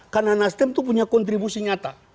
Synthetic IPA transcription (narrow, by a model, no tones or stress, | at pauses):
karnanast̪ɛmt̪up̬uɲakɔnt̪ɾibusiɲat̪a